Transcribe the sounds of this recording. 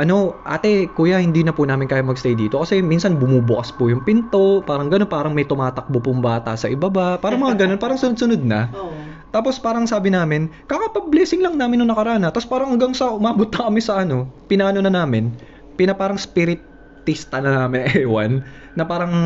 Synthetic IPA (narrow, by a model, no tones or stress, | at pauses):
ʔɐno̞ʔa̰ːt̪ɛkuːjahɪnd̪iːnɐpʊnaːmɪnkaːjɐmɐɡst̪ejd̪iːt̪o̞kɐsɛminsɐnbʊmuːbʊkɐspʊjʊŋpɪnt̪o̞paːɾɐŋɡɐnonpaːɾɐŋmɐjt̪ʊmaːt̪ɐk̚bopʊŋbaːt̪ɐsɐʔɪbɐbapaːɾɐŋmɐŋaɡɐnonpaːɾɐŋsʊnod̪̚sʊnod̪̚nɐ̰ | t̪aːpo̞spaːɾɐŋsaːbɪnaːmɪnkakɐpɐblɛːsɪŋlɐŋnaːmɪnːʊŋnɐkɐɾaːnɐt̪ɐspaːɾɐŋɐŋɡaŋsɐʔʊmaːbot̪̚nɐkɐmɪsɐʔɐno̞pɪnaːnonɐnaːmɪn | pɪnɐpaːɾɐŋspɪɾɪt̪ː | ist̪ɐnɐnaːmɪnɐŋʔɛwɐ̰nː | ɐpaːɾɐŋ